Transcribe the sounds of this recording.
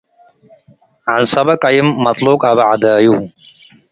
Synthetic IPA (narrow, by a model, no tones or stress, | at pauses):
ʕansɐbɐkɐjimːɐt̪ˤluːkɐbɐʕad̪aːju